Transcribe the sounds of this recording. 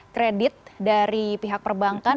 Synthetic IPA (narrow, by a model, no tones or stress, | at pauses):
kɾedɪt̪̚daɾipiɦak̚pərbaŋka